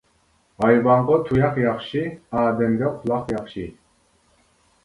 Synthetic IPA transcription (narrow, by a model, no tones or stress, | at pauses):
ɑjvɑɴʁɔt̪ʰujɑqjɑχʃiaːd̪ɛmɡ̪ɛqʰulˠɑqjɑχʃi